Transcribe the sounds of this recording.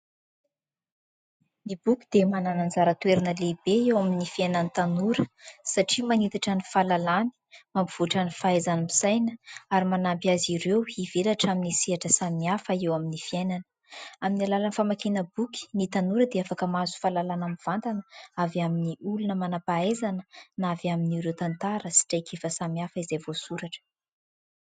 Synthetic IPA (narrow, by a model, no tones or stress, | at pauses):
mibukʲi̥d̪emananand͡zaɾət̪weɾinəlebeewaminifienanit̪anuɾəsaʈ͡ʂimanit̪aʈ͡ʂanifalalani̥mambiv̥uʈ͡ʂanifaazanimisajnəaɾimanampiaziɾewivelaʈ͡ʂaminisiaʈ͡ʂəsamiafəewaminifiejnanə̥ | aminalalanifamakenəbuki̥nit̪anuɾəd̪eafakəmazu̥falalanamiv̥ant̪anəavaminiulunəmanapaajzanənavaminiɾewt̪ant̪aɾəsi̥ʈ͡ʂajkʰefəsamiafəizejvosuɾaʈ͡ʂə̥